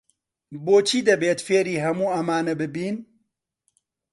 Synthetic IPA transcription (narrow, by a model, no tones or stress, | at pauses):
boːt͡ʃʰiːd̪ɛbeːt̪feːɾiːɦɐmuːɐmaːnɛbɨbiːn